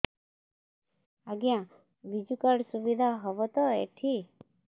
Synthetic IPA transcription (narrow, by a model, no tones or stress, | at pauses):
aɡjã | ʋid͡ʒukəɽsuʋid̪ʱaɦɔʋɔt̪oḛʈʰi